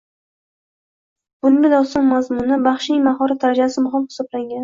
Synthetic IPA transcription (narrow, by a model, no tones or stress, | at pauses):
b̥ʊnmɪd̪ɒsɒŋmazmʊnɪbaχʃɪjmaɦɒɾat̪ʰaɾad͡ʒasɪmʊɦɑmχɪ̥sɒblaŋɡʲan